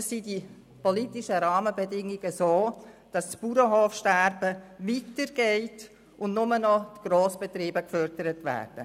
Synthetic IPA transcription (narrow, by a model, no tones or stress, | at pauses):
əsːidi | pɔlitɪʃəɾɑːməbɛdɪŋːiɡəsoːd̥ɑstpuɾəɦoːfʃtæɾbəvitəɾɡ̥ɛɪt | ʊndnʊmənɔtɡ̥roːsb̥ɛt̪ɾiːbəkfœrdəɾətʋæ̰ːrd̥ə